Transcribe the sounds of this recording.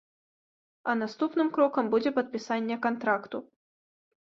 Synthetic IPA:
ɐnast̪upnɨmkɾɔkɐmbud͡zʲɛpɐt̪̚pʲisanʲːɛkant̪ɾakt̪u

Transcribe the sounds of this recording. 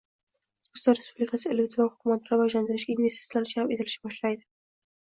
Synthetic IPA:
sust̪aɾespublikʰasɪelvzanhʊkumat̪ʰɾavajland̪ɪɾɪʃɡʲanvest̪e̥t̪slanɪʃahame̞t̪ʰɪlɪʃɪbɒʃlajd̪ɪ

